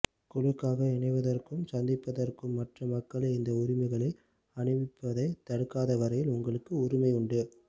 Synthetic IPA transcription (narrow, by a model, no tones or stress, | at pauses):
kʊɻɯkːaːɣɐɪɳɐɪʋɐðɐrkɯmsɐnd̪ɪpːɐðɐrkɯmːɐʈrɐmːɐkːɐɭɐɪɪnd̪ɐʊɾɪmɐɪɣɐɭɐɪ | ɐɳɯʋɪpːɐðɐɪt̪ːɐɽɯkːaːðɐʋɐɾɐjɪlʊŋɡɐɭɯkːɯʊɾɪmɐɪʊɳɖɯ